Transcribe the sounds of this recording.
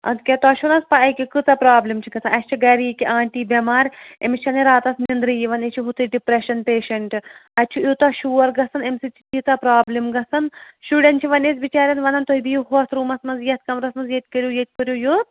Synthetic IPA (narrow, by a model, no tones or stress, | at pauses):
ɐ̰d̪kʲɛt̪aːʃunɐspaɐkʲikɨt̪ɐpɾaːblʲimt͡ʃʰiɡɐsɐnɐsʲt͡ʃʰiɡɐɾiikiʔaːɳʈiːbʲɐmaːɾʲḛmist͡ʃʰɐniɾaːt̪ɐsnind̪ɾɨjiʋɐnet͡ʃʰiɦut̪ɨɖipɾeʃɐnpeːʃɐɳʈɐtʲːt͡ʃʰuʔjut̪aʃuːɐɾɡɐsɐnemsit͡ʃʰi̥t͡ʃit̪ɐpɾaːblimɡɐsɐnʃuːɖʲɐnt͡ʃʰiʋɐneːs̬ʲbit͡ʃaːɾʲjɐnʋɐnɐnt̪oibijuɦot̪ʰɾuːmɐsmɐnzjɐt̪̚kɐmɾɐsmɐnzjet̪̚ʲkəɾʲjujet̪̚ʲkɨɾʲjujut̪